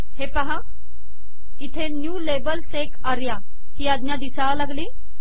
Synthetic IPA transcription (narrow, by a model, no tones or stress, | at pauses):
hepaɦa | it̪ʰenjuːlebəlsekaɾja | hiːad̪njad̪isalaɡliː